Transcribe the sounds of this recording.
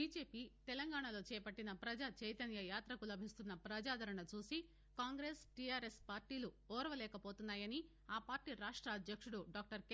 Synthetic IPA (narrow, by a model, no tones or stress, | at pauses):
biːd͡ʒe̞ːpiːt̪ɛlɐŋɡaːɳɐlo̞ːt͡ʃɛːɐpɐʈːinɐpɾɐd͡ʒat͡ʃɐjt̪ɐnjɐjaːt̪ɾɐkulɐbʱist̪unːɐpɾɐd͡ʒaːd̪ʱɐɾɐɳɐt͡ʃuːsi | kaːŋɡɾeːsʈiaːɾespaːɾʈiːlu | ɔːɾɐʋɐlɛːkɐpo̞ːt̪unːaːjɐni | aːpaːɾʈiːɾaːʂʈɾɐːd̪ʱjɐkʂuɽuɖaːk̚ʈɐɾkː